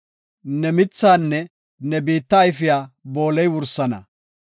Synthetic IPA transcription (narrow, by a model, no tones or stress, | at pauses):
nɛmɪt͡sːaːnːɛ | nɛbiːt̪ːɐːjfɪjaːbo̞ːlɛjwʊɾsːɐnɐ̰